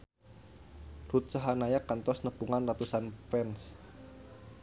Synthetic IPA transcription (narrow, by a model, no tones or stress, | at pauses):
rut̪̚saɦanajakant̪ɔsnəpuŋanrat̪usanpɛns